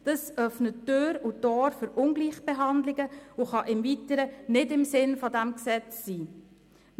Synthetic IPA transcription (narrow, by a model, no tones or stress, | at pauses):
d̥əsœfnətːøːɾutoːɾfʏɾʊnɡliːχb̥eɦɑnd̪lɪɡəuχɑʔɪmvitəɾənɪdɪmsɪnfɔdæmksɛt͡sːiː